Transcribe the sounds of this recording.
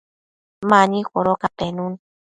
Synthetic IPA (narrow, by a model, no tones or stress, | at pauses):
maɲixʷoɾokapenun